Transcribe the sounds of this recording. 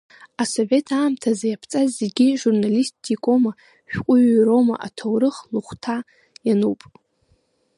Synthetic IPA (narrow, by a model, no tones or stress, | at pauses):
aso̞ve̞tʰaːmtʰazajapʰt͡sʼazːeɡʲiʒurnalistʰːikʼo̞ma | ʃᶣkʷʼʊɥɾo̞ma̰ʔa̰tʰowɾɨχluχʷtʰa | januwpʼ